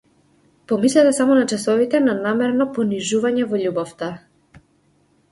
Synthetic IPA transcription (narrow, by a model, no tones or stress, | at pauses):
pɔmislɛt̪ɛsamɔnat͡ʃɛsɔvit̪ɛnanamɛɾnɔpɔniʒuvaɲɛvɔʎubɔft̪a